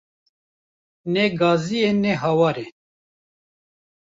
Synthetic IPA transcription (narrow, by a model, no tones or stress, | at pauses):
nɛɡɑːzijenɛɦɑwɑːɾe